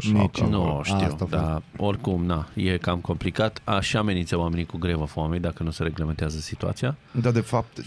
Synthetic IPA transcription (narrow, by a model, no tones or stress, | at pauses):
nuʃt̪ḭw̪d̪ao̞rʲkumnajekamko̞mplikat̪aʃiame̞nint̪səwame̞nikuɡɾevafame̞d̪akənuse̞ɾe̞ɡleme̞nt̪eazəsit̪ua̰t̪sijad̪ad̪efap̚t̪